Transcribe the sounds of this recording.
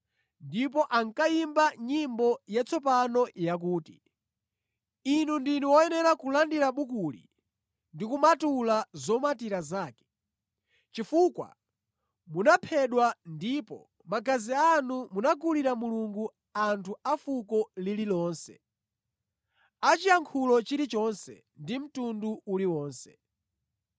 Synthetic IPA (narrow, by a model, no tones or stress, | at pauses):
ndip̬ɔʔaŋkaimbaɲimbɔjat͡sʰɔpanɔjak̬uːti | inundinuwɔjɛnɛɾakulandiɾaɓukulḭ | ndikumatulazɔmatiɾazaːkɛ̥ | t͡ʃifukwa̰ | munapʰɛɗwandipɔ̰ | maɡazianumunaɡuliɾamuluŋɡu | antʰuafukɔlililɔːnsɛ̰ | at͡ʃijaŋkʰulɔt͡ʃiɾit͡ʃɔnsɛ̰ | ndim̩tunduuliwɔːnsɛ̥